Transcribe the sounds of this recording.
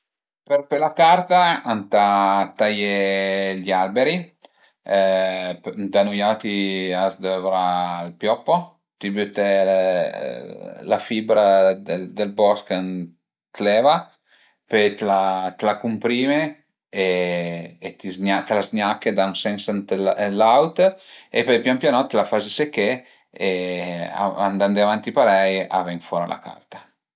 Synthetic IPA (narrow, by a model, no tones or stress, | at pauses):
peɾpelakaɾt̪aant̪at̪ajeʎalbeɾi | pd̪anujawt̪iasd̪əvɾalpjɔpːo | t̪ibyt̪ɛ̰ | lafibɾad̪ed̪elbɔskan | t̪lɛːva | pet̪lat̪lakumpɾiːme | e | et̪izɲat̪lazɲakːed̪aŋsɛnsant̪ellawt̪epepjampjanɔt̪ːlafazesekːe | ea̰a̰nd̪and̪eavant̪ipaɾɛja̰vɛŋfɔɾa̰lʔa̰kʰa̰rt̪ḁ